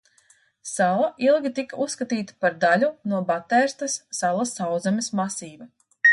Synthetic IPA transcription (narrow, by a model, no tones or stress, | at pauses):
salˠaʔilˠɡʲit̪ikausːkat̪iːt̪ḁpaɾd̪alʲunuɔbat̪ɛɾst̪ɐsːalˠɐsawd̪zamʲismasiːvɐ